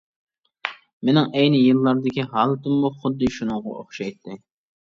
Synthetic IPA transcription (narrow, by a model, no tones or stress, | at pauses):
mɪnɪŋɛjnɪjɨlˠːɑɾd̪ɪkʲiɦɑlˠɨt̪ɪmːuχʊd̪ːɨʃunɨŋʁɑ̰o̰χʃɑjt̪ʰːɪ